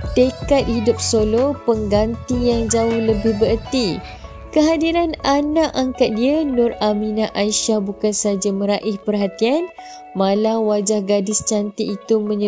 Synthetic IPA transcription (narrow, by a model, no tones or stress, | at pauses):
t̪ekat̪̚hidʊp̚solopəŋɡant̪ijaŋd͡ʒaʊhləbɪhbəɾərt̪i | kəɦadiɾananãʔaŋkat̪̚dianʊ̃ramĩnaʔaiʃahbukansəɦad͡ʒamə̃ɾaʔihpərɦat̪ian | mãlawad͡ʒahɡadɪst͡ʃant̪iːt̪umə̃ɲə